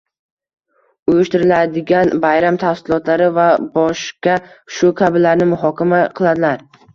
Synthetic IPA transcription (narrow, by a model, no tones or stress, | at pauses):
ʊjɪʃt̪ɪɾɪlad̪ɪɡʲanbajɾamt̪ʰafsɪlˠɒt̪laɾɪvabɒʃkʲaʃʊkʲʰabɪlːaɾnɪmʊɦɒkʲʰamaqʰɨlˠad̪ɪlaɾ